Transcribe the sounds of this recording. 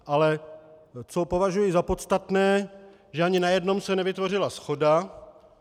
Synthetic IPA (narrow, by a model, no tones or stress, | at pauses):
ʔalɛ | t͡sopo̞vaʒujɪzapo̞t̪st̪at̪nɛː | ʒɛaɲɪnajɛdno̞msɛnɛvɪt̪vo̞r̝ɪlasxo̞da